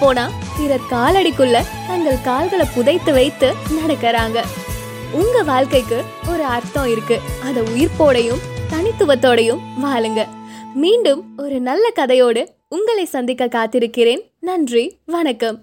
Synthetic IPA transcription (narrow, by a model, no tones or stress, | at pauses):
pːoːnaː | pɪɾɐɾkaːlɐɽɪkːɯɭːɐ | t̪ɐŋɡɐɭkaːlɣɐɭɐpʊðɐɪt̪ːɯʋɐɪt̪ːɯnɐɽɐkːɐɾaːŋɡɐ | ʊŋɡɐʋaːɭkɐɪkːɯ | ɔɾɯɐɾt̪ɔ̃ɪɾɯkːɯɐðɐʊjɪɾpoːɽɐjɯmt̪ɐnɪt̪ːɯʋɐt̪ːoːɽɐjɯmʋaːlɯŋɡɐmiːɳɖɯmɔɾɯnɐlːɐkɐðɐjoːɽɯ | ʊŋɡɐɭɐɪsɐnd̪ɪkːɐkːaːt̪ːɪɾɯkːɪɾeːn | nɐndriʋɐnɐkːɐm